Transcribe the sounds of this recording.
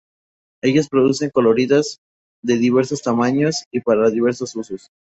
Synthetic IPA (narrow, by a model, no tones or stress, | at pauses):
e̞ʝospɾoðuse̞ŋko̞lo̞ɾiðaz | ðe̞ðiβ̞e̞ɾso̞st̪amaɲo̞sipaɾaðiβ̞e̞ɾso̞susos